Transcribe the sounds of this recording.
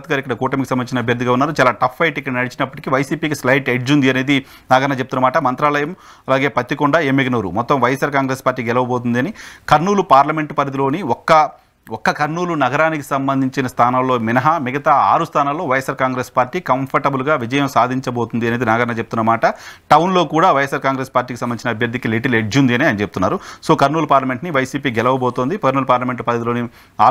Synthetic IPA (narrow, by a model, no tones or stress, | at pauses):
t̪̚ɡaːɾikːɐɽɐkuːʈɐmikisɐmbɐniːt͡ʃinɐbʱjɐɾd̪ʱiɡaːunːaːɾut͡ʃaːlaːʈɐpʰːɐjʈikːɐɽɐnɐɽit͡ʃinɐpːɐʈikiʋɐjsiːpiːkislɐjʈeɖd͡ʒund̪iɐne̞ːd̪i | naːɡɐɾɳnɐːt͡ʃep̚t̪unːɐmaːʈɐmɐnt̪ɾaːlɐjɐm | ɐlaːɡe̞ːpɐt̪ːikɔɳɖae̞ːmeɡɐnɐːɾṵmɔt̪ːɐmʋɐjɐsaːɾkaːŋɡɾe̞ːspaːɾʈːiːkɡɛlɐʋɐboːt̪und̪iɐnikɐɾnuːlupaːɾlɐme̞ɳʈpɐɾit̪ilo̞ːniɔkːɐ | ɔkːɐkɐɾnuːlunɐɡɐɾaːniki̥sɐmbɐnd̪ʱiɲt͡ʃinɐst̪ʰaːnɐmlo̞ːminɐɦɐmiɡɐt̪aːa̰ːɾust̪ʰaːnɐmlo̞ːʋɐjesaːɾkaːŋɡɾe̞ːspaːɾʈiːkɐmpʰɐɾʈɐbulɡaːʋid͡ʒɐjɐmsaːd̪ʱiɲt͡ʃɐbo̞ːt̪und̪iɐneːd̪inɐɡɐɾɐnɐt͡ʃebut̪unːɐmaːʈɐʈɐwnlo̞ːkuːɽaːʋɐjesːaːɾkaːŋɡɾe̞ːspaːɾʈːiːkisɐmɐnit͡ʃinɐbʱjɐɾd̪ʱːikiliʈileɖd͡ʒund̪iɐniɐnit͡ʃeb̚u̥t̪unːa̰ːɾusoːkɐɾnuːlupaːɾlɐme̞ɳʈniʋɐjsiːpiːɡɛlɐʋɐboːt̪oːnd̪ipɐɾnuːlupaːɾlɐme̞ɳʈpɐɾɐt̪ilo̞ːni | aː